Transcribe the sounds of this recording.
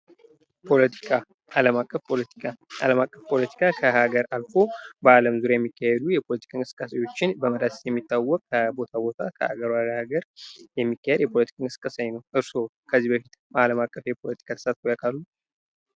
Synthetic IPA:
pʰo̞lət̪ʰi̥kʰa | aləmakʼːəfpʰolət̪i̥kʰaʔa̰ləmakʼːəfpʰo̞lət̪ʰi̥kʰakʰəhaɡəɾalfo̞bəaləmzuɾjajɛmːikʰːahɛd̪ujɛpʰo̞lət̪ʰi̥kʰankʼɨsɨ̥kʼːasajo̞t͡ʃːɪnbəməd̪ast̪jɛmːit̪ːawːɔkʼːəbo̞t̪ʰabo̞t̪ʰakʰə̰a̰ɡəɾwaɾhaɡəɾjɛmːikːahɛd̪jɛpʰo̞lət̪ʰi̥kʰʼankʼɨsɨ̥kʼːasaɲnəwʔɨɾso̞ | kʰəzːibəfit̪ | aləmakʼːəfjɛpʰo̞lət̪ʰi̥kʰat̪ʰɨ̥sat̪̚ɡojakʼalːu

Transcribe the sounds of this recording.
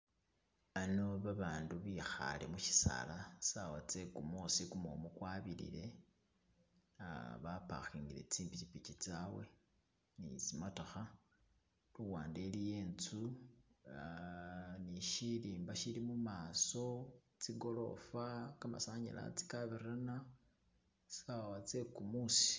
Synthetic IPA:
ano̞βaβaːnduβixa̰le̞̰muʃi̥sa̰lasawat͡se̞kumosikumo̰mukwaβilḭle̞ | aβapa̰xiːŋɡile̞̰t͡siːmpit͡ʃipit͡ʃit͡sawe̞̰ | nḭt͡simatoxa | luwaːnde̞lije̞ːnt͡su | niʃiliːmbaʃilimumaːso̞ | t͡siɡo̞lo̞̰fakama̰saɲḭla̰t͡si̥kaβirana | sawat͡se̞kumusi̥

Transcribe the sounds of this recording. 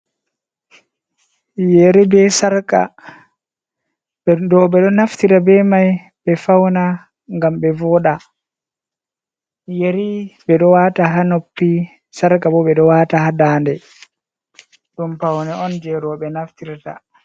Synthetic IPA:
jeɾibɛsaɾka̰ | dɔɓɛɗɔnaftiɾabɛmaj | ɓɛfawna | ŋɡamɓɛvɔːɗa | jeɾiɓɛɗɔwataɦanopːi | saɾkabɔɓɛɗɔwaːtahadaːndɛ | ɗumpawnɛɔnd͡ʒɛɾɔɓɛnaftiɾta̰

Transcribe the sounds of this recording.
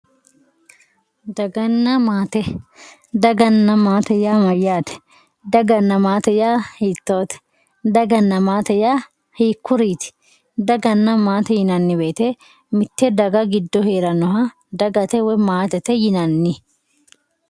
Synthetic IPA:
d̪ɐɡɐnːɐmaːt̪ɛ | d̪ɐɡɐnːɐmaːt̪ɛjaːmɐjaːt̪ɛ̥ | d̪ɐɡɐnːɐmaːt̪ɛjaːhiːt̪ːoːt̪ɛ̥ | d̪ɐɡɐnːɐmaːt̪ɛjaː | hiːkːʊɾiːt̪ɪ̥ | d̪ɐɡɐnːɐmaːt̪ɛjɪnɐnːɪbe̞ːt̪ɛ | mɪt̪ːɛd̪ɐɡɐɡɪd̪ːɔhe̞ːɾɐnɔɦɐ | d̪ɐɡɐt̪ɛwɛmaːt̪ɛt̪ɛjɪnɐnːɪ

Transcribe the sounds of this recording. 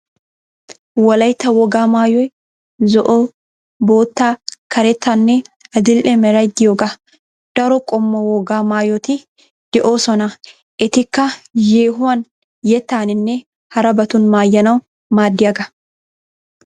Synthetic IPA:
wɐlɐjt̪ːɐwɔɡaːmaːjɔj | zɔʔo | boːt̪ːaːkɐɾɛt̪ːɐnːɛɐd̪ɪlʔɛmɛɾɐjd̪ɪjoɡɐ | d̪̥ɐɾɔkʼɔmːɐwɔɡaːmaːjɔt̪ɪ | d̪̥ɛʔoːsɔnɐ | ʔɪt̪ɪkːɐjeːɦʊɐn | jɛt̪ːaːnɪnːɛ | hɐɾɐbɐt̪ʊnmaːjːɐnɐw | maːd̪ːɪɐɡɐ

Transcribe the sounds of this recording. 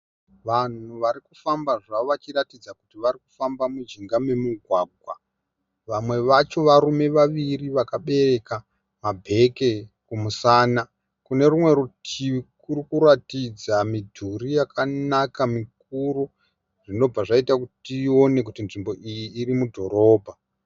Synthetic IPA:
ʋan̤uʋaɾikufambaʐaʋat͡ʃiɾatid͡zakutiʋaɾiku̥fambamud͡ʒiŋɡame̞muɡʱwaːɡʱwa | ʋamwe̞ʋat͡ʃo̞ʋaɾume̞ʋaʋiriʋakaɓe̞re̞ka | mabʱe̞ke̞kumusaːna | kune̞rumwe̞ɾutʰiikurikuɾatid͡zamidʱuɾijakʰanakamik̚uɾu | ʐ̥ino̞b͡vaʐaitakutio̞ne̞k̬utinʐimbo̞ʔijiːrimudʱo̞ɾo̞ːbʱa

